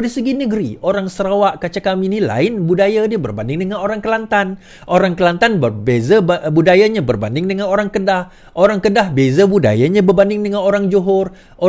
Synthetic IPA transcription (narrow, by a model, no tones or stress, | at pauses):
disəɡinəɡəɾiʔoɾaŋsəɾawaʔkat͡ʃakaminila̰ɪnbudajadiabərbandɪŋdəŋanoɾaŋkəlant̪an | ʔoɾaŋkəlant̪anbəbezabudajaɲabərbandɪŋdəŋanoɾaŋkəndah | ʔoɾaŋkədahbezabuda̰jaɲãbərbandɪŋdəŋanoɾaŋd͡ʒoɦɔr | ʔo